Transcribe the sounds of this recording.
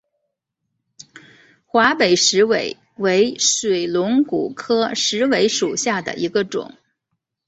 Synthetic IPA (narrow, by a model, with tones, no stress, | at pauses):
xwa˧˥pe˨˩ɪʂɻ̩˧˥we˧˩˦ɪ | we˧˥ɪʂwe˨˩ɪlʊ˧˥ŋku˨˩kʰɤ˥ʂɻ̩˧˥we˧˥ɪʂu˨˩ɕja˥˩d̪ə̰˨˩ʔi˧˥ɡə˧ʈ͡ʂʊ̰˨˩˦ŋ